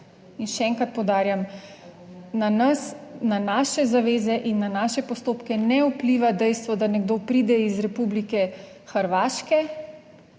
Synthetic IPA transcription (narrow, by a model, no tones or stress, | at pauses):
inʃɛɛːŋkɾat̪̚pɔwd̪aːɾjam | nanɐsnanaːʃɛzaʋeːzɛʔinːanaʃɛpɔst̪oːpkɛnɛupliʋad̪ɛjst̪ʋɔd̪anɛɡd̪oːpɾiːd̪ɛizɾɛpublikɛ | xəɾʋaːʃkɛ